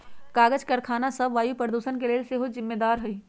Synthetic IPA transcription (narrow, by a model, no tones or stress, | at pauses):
kaːɡəd͡ʒkəɾkʰaːnasəbʋaːjupəɾd̪uːsənkeleːlseɦozɪmːeːd̪aːɾɦʊi